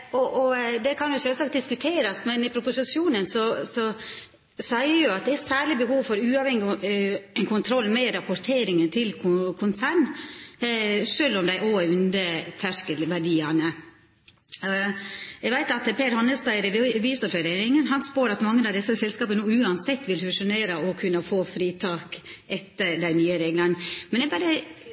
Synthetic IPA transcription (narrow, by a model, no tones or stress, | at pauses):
ɔʔɔd̪ɛkʰɑnjʊʃøːlsɑːkt̪̚d̪ɪskʉt̪ʰeːɾɑsmɛnɪpʰɾʊpʊsɪʃjuːnənsɔsɔ | sæɪəjʊɑt̪̚d̪ɛæsæːɭɪbəhuːʋfɔɾʉːɑʋhɛŋːɪ | nkʰʊnt̪ʰɾɔlːmɛɾɑpɔɾt̪ʰeːɾɪŋənt̪ʰɪlkʰkʰʊnsæːɳ | ʂøːlɔmd̪æɪʔoːæʉnd̪ət̪ʰæʂkəlʋæɖiːɑnə | ɛɡʋæɪt̪ɑt̪pʰeːɾhɑnːəst̪æɪɾɛʋiːsɔɛɾeːɾɪŋənɦɑnspoːɾɑt̪mɑŋːənɑʋd̪ɛsːəsɛlskɑːpənuːʉːɑnsɛt̪ːʋɪlfʉʂʊneːɾɑɔkʰʉnːəfoːfɾiːt̪ʰɑːkʔɛt̪ːəɾd̪æɪnyːəɾeːɡlɑnmɛnɛɡbɑɾə